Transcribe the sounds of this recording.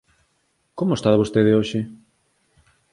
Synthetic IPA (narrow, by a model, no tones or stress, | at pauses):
komoest̪aðβost̪eðeoʃɪ